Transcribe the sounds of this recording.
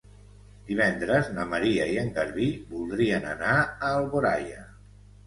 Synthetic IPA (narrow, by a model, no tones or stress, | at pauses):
d̪iβ̞ɛnd̪ɾəznəməɾiəiəŋɡəɾβibulˠd̪ɾiənə̰naəːlˠβoɾa̰jə